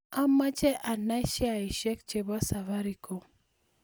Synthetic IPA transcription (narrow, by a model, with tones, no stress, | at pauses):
a˦ma˦t͡ʃɛ˦ʔa˨na˦ʃa˨i˨ʃɛ˦k̚t͡ʃɛ˨ba˦sa˨va˦ɾi˨ko˦